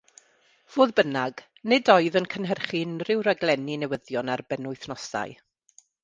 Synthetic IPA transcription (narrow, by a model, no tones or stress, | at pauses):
v̥oːðbənaɡ̥ | nɪdɔɨðənkʰənɦɛrχinrɪwɾaɡlˠɛninɛwəðjɔnarbɛnʊɨθnɔsa̰ɨ